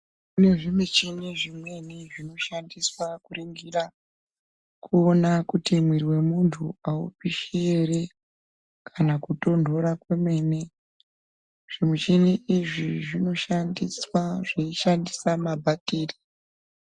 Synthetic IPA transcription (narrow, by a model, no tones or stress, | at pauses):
une̞ʐimwet͡ʃiniʐimwe̞niʐino̞ʃandiswakuriŋɡira | kʰuonakutimwiriwe̞muntʰuaṵpiʃieɾe | kʰanakuto̞ndʱo̞ɾakweme̞ːne̞ | ʐ̥imwet͡ʃiniiʐiʐino̞ʃandiswaʐeiʃandisamabʱatiːri